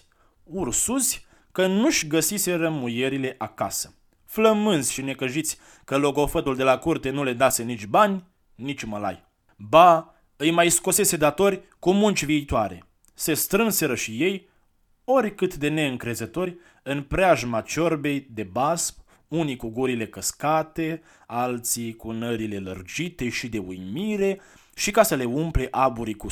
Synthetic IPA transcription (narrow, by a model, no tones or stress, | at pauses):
ursuzʲ | kənuʃɡəsise̞ɾəmuje̞ɾile̞ʔaka̰sə̥ | fləmɨnzʲʃine̞kəʒit̪sʲ | kəlo̞ɡo̞fət̪uld̪e̞lakurt̪e̞nule̞d̪ase̞nit͡ʃʲbanʲ | nit͡ʃʲuməla̰j | ba | ɨjmajsko̞se̞se̞d̪at̪o̞rʲkumunt͡ʃʲviːt̪oaɾe̞̰ | se̞st̪ɾɨnse̞ɾəʃije̞j | o̞rʲkɨt̪d̪e̞ne̞ɨŋkɾe̞zət̪o̞rʲ | ɨnpɾeaʒmat͡ʃo̞rbe̞jd̪e̞basp̚ | unikuɡuɾile̞kəskat̪e̞ | alt̪sikunəɾile̞lə̰rd͡ʒit̪e̞ʃid̪e̞ujmiɾe̞ | ʃikasəle̞umple̞ʔabuɾiku